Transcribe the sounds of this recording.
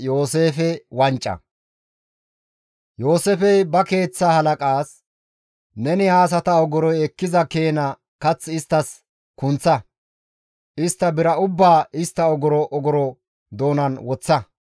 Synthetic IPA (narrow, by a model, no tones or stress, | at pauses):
jo̞ːse̞ːfɛwɐnt͡ʃʼːɐ̰ | jo̞ːseːfɛjbɐke̞ːt͡sːaːhɐlɐkʼaːs | nɛnɪhaːs̬ɐt̪ɐɔɡɔɾɔjɛkːɪzɐke̞ːnɐ | kɐt͡sːɪst̪ːɐs | kʊnt͡sːɐ | ɪst̪ːɐbɪɾɐʊbːaːɪst̪ːɐɔɡɔɾɔʔɔɡɔɾɔ | d̪o̞ːnɐnwɔt͡sːɐ